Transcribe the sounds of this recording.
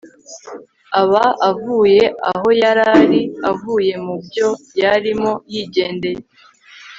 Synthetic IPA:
aβaavuːje̞aɦo̞jaɾaɾiavuːje̞mubjo̞jaɾimo̞jiːɟe̞ːnde̞je

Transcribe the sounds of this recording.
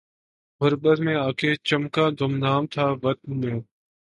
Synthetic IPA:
ɦʊɾbəɾmẽːaːkʰeːt͡ʃəmkaːd̪ʱʊmnaːmt̪ʰaːʋət̪̚nmẽː

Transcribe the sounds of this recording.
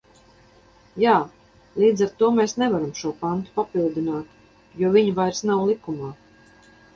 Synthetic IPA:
jaː | lˠiːd̪zaɾt̪uɔmeːsnɛvaɾamʃuɔpant̪u̥papilˠd̪inaːt̪ | juɔviɲvajɾsnawlˠikumaː

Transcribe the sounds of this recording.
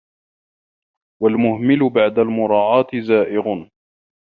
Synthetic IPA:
walmʊhmɪlʊbaʕd̪almʊɾˤɑːʕɑːt̪ɪzaːʔɪɣʊ

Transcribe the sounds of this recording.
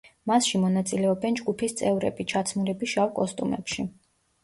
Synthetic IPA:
masʃimɔnat̪sʼilɛɔbɛnd͡ʒɡupʰist̪sʼɛvɾɛ̰bit͡ʃʰat̪sʰmuɾɛbiʃawkʼɔst̪ʼumɛ̰pʃi

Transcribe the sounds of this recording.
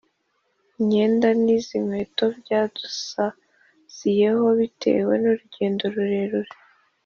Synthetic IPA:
ɲe̞ːndanizimwe̞to̞bɟaːd̥usa | z̥ije̞ho̞βitʰe̞̰we̞noɾuɟe̞ːndoɾuɾe̞ɾuɾe

